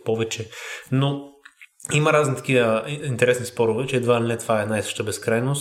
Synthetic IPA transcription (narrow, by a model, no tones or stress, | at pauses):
pɔvɛt͡ʃɛno | imɐɾaznit̪ɐ̥kiəint̪ɛɾɛsnispɔɾʊvɛt͡ʃɛːd̪vailinɛt̪vaɛnajsɤ̥ʃt̪əbɛskɾajnos